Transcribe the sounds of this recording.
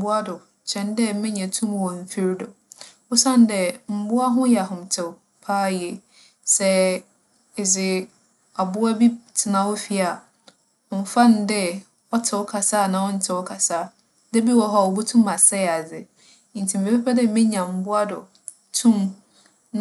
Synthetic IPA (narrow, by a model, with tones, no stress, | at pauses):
bʊ˦a˦dʊ˨ | t͡ɕʰɛ̃˨ndɛ˦mɪ̃˦ɲã˨tʰũ˦m˨wɔ˨m̩˨fi˦ɾdʊ˨ | ʊ˦sã˦˨n˦dɛ˨m̩˨˦bʊ˦a˦ɦʊ̃˦jɛ˨a˨ɦʊ̃˨mtʰɛ˨ | pʰaː˦jɛ˨ | sɛ˦ | ɪ˨d͡zɪ˨ | a˨bʊ˦a˦bi˦tʰɪ˨nã˨wɔ˦fi˨a˨ | ɔ˨m̩˨fã˦n˨dɛ˦ | ɔ˦tʰɪ˨wɔ˦kʰa˨saː˦˨nã˨ɔ˦n̩˦tʰɪ˨ɔ˦kʰa˨sa˦˨ | de˦bi˦wɔ˨ɦɔ˦˨wɔ˨bu˦tʰũ˦ma˨sɛ˦˨a˨d͡zɪ˨ | n̩˨tʰi˨m̩˨e˨pɛ˦pʰɛ˦dɛ˦mɪ̃˦ɲã˨m̩˨bʊ˦a˦dʊ˨ | tʰũ˦m | n